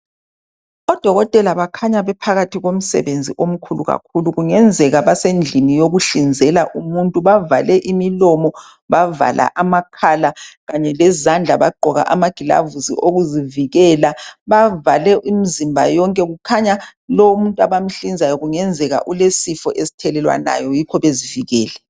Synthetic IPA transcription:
ɔd̥ʱɔɣɔtʼɛlaβakʰaɲaβɛpʰaɣatʰiɣom̩sɛ̰βend͡zʱḭʔom̩kʰuluɣa̰k̚ʰuluɣuŋɛnd͡zʱɛɣaβasend͡ɮʱinijoɣuɬind͡zʱɛlaʔumuntʼuβavalɛʔimilɔmɔ | βava̰lʔa̰ʔamakʰalaɣaɲɛlɛzand͡ɮʱaβaɡ͡ǃʱɔɣa̰ʔamaɡ̥ʱila̰vusḭʔoɣuziviɣɛlaβavalɛʔimizimbʱajɔŋkʼɛɣukʰaɲalɔumuntʼaβam̩ɬind͡zʱajɔɣuŋɛnd͡zʱɛɣa̰ʔulesifɔ̰ʔesi̥tʰɛlɛlwa̰na̰jɔjikʰɔβeziviɣɛːlɛ

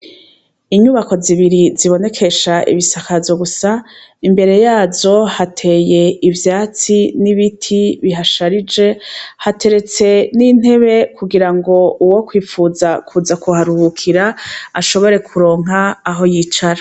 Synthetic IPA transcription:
iɲuβako̞ziβiɾiziβo̞ne̞kʰe̞ʃaʔḭβisakavjo̞ɡusaimbe̞ɾe̞jaːzo̞hatʰe̞ːje̞ivjaːt͡siniβitʰiβiɦaʃaɾid͡ʒe̞hatʰe̞ɾe̞t͡se̞nin̥e̞βe̞kuɡiɾaŋɡo̞uwo̞kwiːfuːzakʰuzakuhaɾuhukʰiɾaaʃo̞βo̞ɾe̞kʰuɾo̞ːŋ̥ɦaːɦo̞jiːt͡ʃaɾa

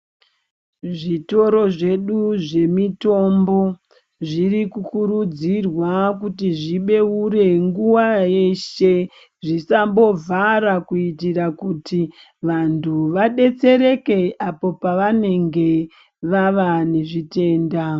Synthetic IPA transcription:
ʐito̞ɾo̞ʐe̞ɗuʐe̞mito̞mbo̞ | ʐiɾikukuɾud͡zirwakutiʐiɓe̞uɾe̞ŋɡuwaje̞ʃe̞ | ʐisambo̞vaɾakuitirakuti | ʋantʰuʋaɗe̞t͡se̞ɾe̞ke̞apo̞paʋane̞ŋɡe̞ | ʋaʋane̞ʐite̞ːnda

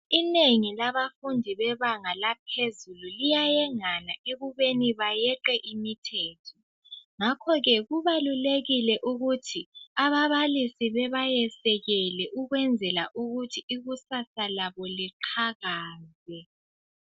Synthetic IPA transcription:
ineŋilaβafundʱiβɛβaŋalapʰezululijajɛŋanaeɣuβeniβajɛǃɛʔimitʰɛːtʰɔ | ŋakʰɔɣɛɣuβaluleɣilɛʔuɣutʰiaβaβalisiβɛβajɛsɛɣɛlɛʔuɣwɛnd͡zʱɛlaʔuɣutʰiːɣusasalaβɔliǃʰaɣaːzɛ

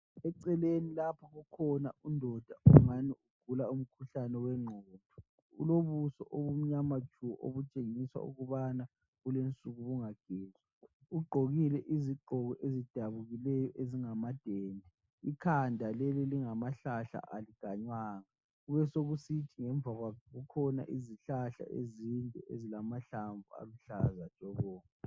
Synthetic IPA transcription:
ɛǀɛlenilapʰɔɣukʰɔnaʔundʱɔd̥ʱaʔuŋaniuɡ̥ʱulaum̩kʰuɬanɛwɛŋ͡ǃʱɔːndʱɔ | ṵloβusɔ̰ʔoβum̩ɲamat͡ʃʰuʔo̰βut͡ʃʼeŋiswa̰ṵɣuβana | ɣulent͡sʼuɣuβuŋaɡ̥ʱeːza | uɡ͡ǃʱoɣilɛʔiziɡ͡ǃʱɔɣɔʔezid̥ʱaβuɣilɛjɔʔeziŋamad̥ʱeːndʱi | ikʰandʱalɛliliŋamaɬaɬa̰ʔaliɡ̥ʱaɲwaːŋa | ɣuβɛsoɣusitʰiŋɛɱb̪vaɣwakɣukʰɔna̰ʔiziɬaɬa̰ʔḛzintʼɔezilamaɬaɱvʱua̰luɬazḁʒ̥ʼʱɔβɔːmɛ

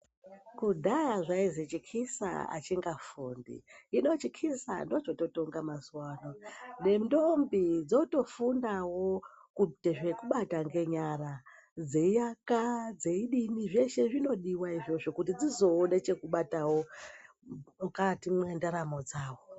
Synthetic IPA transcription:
kudʱajaʐaizet͡ʃikʰisa̰a̰t͡ʃiŋɡafundḭːno̞t͡ʃikʰisa̰ndo̞t͡ʃo̞to̞to̞ŋɡamazwaːnone̞ndombid͡zoto̞fundawo̞ | kuteʐe̞kuɓataŋɡe̞ɲaɾa | d͡ze̞ijakad͡ze̞iɗiniʐe̞ʃe̞ʐino̞ɗiwaiʐo̞ʐo̞kut̬id͡zizo̞ːnet͡ʃe̞kuɓatawo̞ | mukatimwendaɾamo̞d͡zaːwo

